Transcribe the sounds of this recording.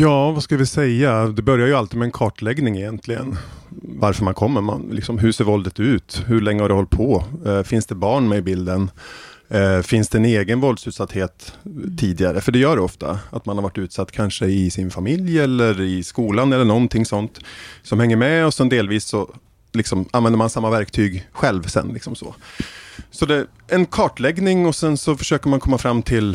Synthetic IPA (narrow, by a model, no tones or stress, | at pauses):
jɑːvaskaləvɪsɛjːad̪ɛbœɾjaɾjɵalt̪iːd̪mɛnkʰɑːʈlɛɡnɪŋɪjɛnt̪ʰlɪɡə̰nvaɾfœɾmankʰɔmːəɾma̰nlɪ̰ksɔmɦɵʂeːɾvɔld̪ət̪ʉ̟ːt̪hɵɭɛŋːəhaɖɛhɔlt̪pʰɔfɪnsd̪ɛbɑːɳmɛɪbɪld̪ən | fɪnsd̪ɛːneːɡənvɔld̪sʉ̟ːt̪sat̪ːheːt̪ʰːiːd̪ɪɡaɾəfœɖɛjœːɖɛɔft̪a̰at̪manhaɾvaʈːʉ̟ːt̪sat̪ːkʰanʂəɪsɪnfamɪljɛlːəɾɪskuːlanɛlːəɳɔnt̪ʰɪŋːsɔnt̪sɔmhɛŋːəɾmɛɔsɛnd̪eːlviːsːɔ | lɪksɔmanvɛnd̪əɾmansamːavæɾkt̪ʰyːɡɧɛlvsɛ̰nlɪksɔmsɔ̰ | sɔd̪ɛ | ɛnkʰɑːʈlɛɡnɪŋɔsɛnsɔfœʂøːkəɾmankʰɔmːafɾamːt̪ʰɪl